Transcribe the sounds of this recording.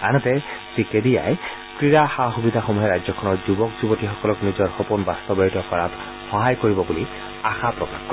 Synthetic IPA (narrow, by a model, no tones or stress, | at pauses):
anɔtɛsikedija̰j | kɹiɹaxaxubid̪ʱaxomuɦɛɹajzɔkʰɔnɔɹzubɔkzubotixɔkɔlɔknizɔɹxɔpunbast̪ɔbɔjitɔkɔɹat | xɔɦajkoɹibɔbuli | axapɹɔka̰xkɔ